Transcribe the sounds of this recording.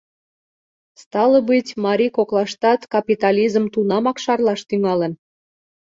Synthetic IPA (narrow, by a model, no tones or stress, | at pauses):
st̪ɑləbɨtʲmɑɾʲikoklɑʃt̪ɑt̪kɑpit̪ɑlʲizəmt̪unɑmɑkʃɑrlɑʃt̪yŋɑlə̆n